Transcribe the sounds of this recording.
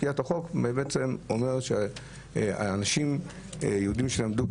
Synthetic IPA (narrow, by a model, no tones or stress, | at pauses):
kiat̪aχo̞kmebeet͡semomeʁʃe | a̰ːnaʃim | jeudimʃelamd̪ub